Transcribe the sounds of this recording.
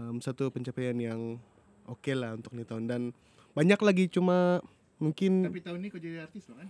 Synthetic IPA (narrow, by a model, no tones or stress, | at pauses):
msat̪upəɲt͡ʃapajanjaŋ | ʔokelahunt̪ʊk̚nit̪aʊndan | baɲaklaɡit͡ʃuma | muŋkɪnapit̪aʊnːikad͡ʒadiart̪ɪst̪lakan